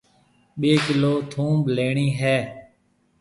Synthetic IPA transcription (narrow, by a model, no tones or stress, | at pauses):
ɓeːkɪloːt̪ʰũːbleːɳiːɦɛː